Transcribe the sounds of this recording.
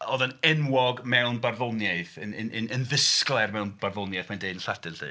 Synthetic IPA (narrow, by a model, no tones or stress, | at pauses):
oːðənɛnwɔɡmɛwnbarvɔnjaɨθənənənənðəsklˠɛrmɛwnb̥arvonjajθmandeɨdnɬadɨnɬɨ̰